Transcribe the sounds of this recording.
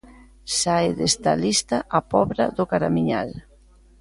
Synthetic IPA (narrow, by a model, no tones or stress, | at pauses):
saeðest̪a̰list̪aʔapɔβɾa̰ðʊkaɾamiɲa̰l